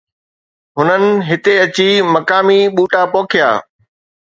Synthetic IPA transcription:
ɦʊnənɪ̆ɦɪt̪eɐt͡ɕimɐkaːmiɓuːʈapoːkʰɪja̰ː

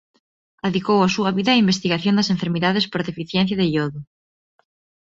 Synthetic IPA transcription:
aðikowasuɐβiðɐːimbest̪iɣaθjõnd̪ɐs̬ẽɱfeɾmiðaðespoɾðefiθjɛ̃n̟θ̬jaðeʎoðʊ

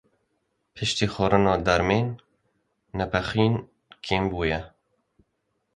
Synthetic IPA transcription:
pʰɨʃt̪iːxoːɾɨnɑːd̪ɛɾmeːnː | ɛpʰɛxiːn | kʰiːnbuːjɛ

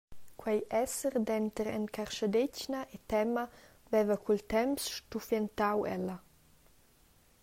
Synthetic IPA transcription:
kwɛjɛsəɾd̪ɛnt̪əɾɛ̰nkʰarʃad̪ecnaʔɛt̪ɛma | vɛvɐkilt̪ɛmsʃtufjɛnt̪awɛ̰lɐ

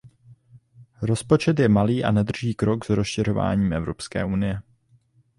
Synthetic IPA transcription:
ɾo̞spo̞t͡ʃɛt̪̬jɛmaliːʔa̰nɛd̪r̩ʒiːkɾo̞ɡz̥ɾosʃɛɾ̝o̞va̰ːɲiːmʔɛvɾo̞pskɛ̰ːʔunɪjɛ

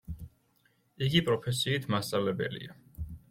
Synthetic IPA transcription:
iɡipʼɾɔpʰɛsiːt̪ʰmast̪sʼavlɛbɛ̰lḭa

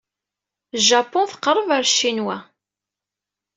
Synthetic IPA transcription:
ʒæpːʊnθə̥qːɾˤːəvəɾʃːinwæ

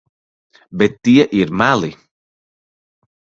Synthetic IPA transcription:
bɛt̪ːiəʔiɾmalˠi

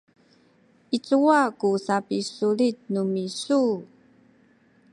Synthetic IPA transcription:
it͡suakusapisulit̚numisu

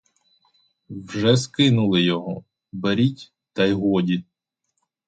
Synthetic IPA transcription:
wʒɛskɪnʊlˠɪjɔɦɔ | beɾʲitʲ | t̪ɐjɦɔdʲit̪̚

